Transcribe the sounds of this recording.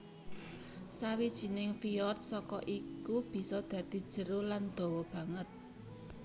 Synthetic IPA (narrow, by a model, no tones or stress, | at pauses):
sawid̥ʒ̥i̤nɪŋfiɔrt̪̚sɔkɔʔikub̥i̤sɔd̪̥ä̤d̪̥i̤d̥ʒ̥ə̤ɾʊland̪̥ɔ̤wɔb̥ä̤ŋət̪̚